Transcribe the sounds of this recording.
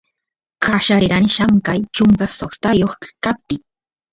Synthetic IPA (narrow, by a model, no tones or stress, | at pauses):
kaʃaɾɪɾanʃaŋkajt͡ʃʊŋkasoχt̪ajoχkap̚t̪ɪ